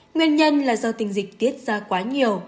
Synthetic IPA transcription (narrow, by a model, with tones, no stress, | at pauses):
ŋwi˧ənɲə˧nlaː˨˩zɔ˧t̪ï˨˩ŋ̟zï˨˩k̟̚t̪i˦˥ət̚zaː˧kwaː˨˦ɲi˨˩əw